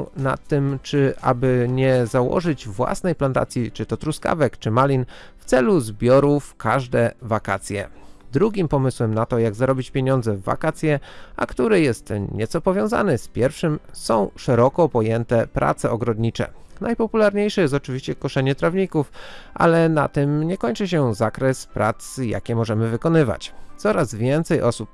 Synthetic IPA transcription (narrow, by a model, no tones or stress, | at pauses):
na̰t̪ːɘmt͡ʂɘʔa̰bɘɲɛzawɔ̰ʐɘd͡ʑvwa̰snɛjplant̪a̰t̪sʲjit͡ʂɘt̪ɔt̪ɾuska̰vɛkt͡ʂɘmalʲin | ft̪sɛluzbʲjɔɾufkʰaʐd̪ɛvakat̪sʲjɛ̰d̪ɾuɡʲimpɔmɘswɛmnat̪ɔjaɡzaɾɔbʲit͡ɕpʲjeɲɔ̃nd̪zɛvːa̰kat̪sʲjɛʔa̰kt̪uɾɛjɛst̪ɲɛt̪sɔpɔvʲjɔ̃w̃za̰nɛspʲjɛɾfʂɘmsɔ̃w̃ʂɛɾɔkɔpɔjɛnt̪ɛpɾʔa̰t̪sɛɔɡɾɔd̪ɲit͡ʂɛ̰ | najpɔpulaɾɲejʂɛjɛs̬t̪ɔt͡ʂɘvʲiɕt͡ɕɛkɔʂɛɲɛt̪ɾavɲikufʔa̰lɛna̰t̪ɘmɲɛkɔɲt͡ʂɘɕ̬ɛzakɾɛspɾa̰t̪sja̰kʲɛmɔʐɛmɘvɘkɔnɘva̰t͡ɕt̪sɔɾazvʲjɛnt̪sɛjʔɔsup̚